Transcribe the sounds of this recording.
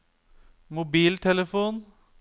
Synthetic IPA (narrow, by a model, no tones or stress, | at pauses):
mʊbiːlt̪ʰɛləfuːn